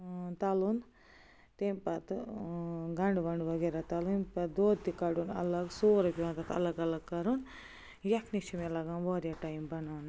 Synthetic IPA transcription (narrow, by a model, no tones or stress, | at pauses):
t̪ɐlun | t̪empɐt̪ | ɡɐɳɖʋɐɳɖʋɐɡeɾat̪ɐlunpɐt̪d̪oːd̪t̪ikɐɽunɐ̰lɐɡsoːɾɐpʲiʋɐnt̪ɐt̪ʰɐ̰lɐɡɐlɐɡkɐɾun | jɐkʰnit͡ʃʰimɐlɐɡanboːɾijaʈajmbɐnan